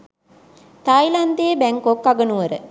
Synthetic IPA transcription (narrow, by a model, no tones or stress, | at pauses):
t̪aːjland̪eːbæŋkokːaɡənuʋɐɾə̰